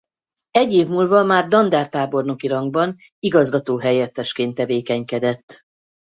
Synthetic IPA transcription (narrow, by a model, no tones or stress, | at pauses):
ɛɟːeːvmuːlvɒmaːrd̪ɒnd̪aːrt̪aːbo̞rno̞kiɾɒŋɡbɒn | iɡɒzɡɒt̪oːɦɛjɛt̪ːɛʃkeːnt̪ːɛveːkɛɲkɛd̪ɛt̪ː